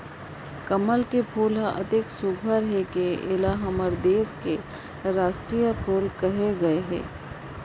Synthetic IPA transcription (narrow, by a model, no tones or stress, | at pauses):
kɐməlkepʰuːlɦʔɐ̰t̪eksʊɡʱəɾɦekeɪlaɦɐməɾd̪eːske | ɾaːʃʈɾijəpʰuːlkɐɦeɡɐeɦɛ̰ː